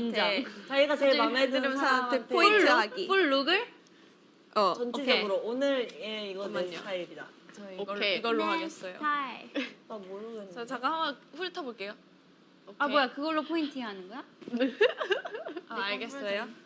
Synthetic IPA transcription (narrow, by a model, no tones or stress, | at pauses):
inʰd͡ʑat͡ɕaiɡat͡ɕeɭmaŋːedɯimnssʰaantʰenpʰoiɦaɡipʰuɭːoɡɯɭ | ʌt͡ɕʌnt͡ɕʰid͡ʑʌɡɯɾoonɯɾeiɡʌekʰaibida | t͡ɕʌokːeiɡʌɭːoɦaɡes͈ʌjo̰a | amoɾodenat͡ɕaɡahamaɸuɾɯtʰaboɭk͈e̞jo | amojakɯɡʌɭːopʰointʰɯɦanɯnɡʌjae | aaɭɡes͈ʌjo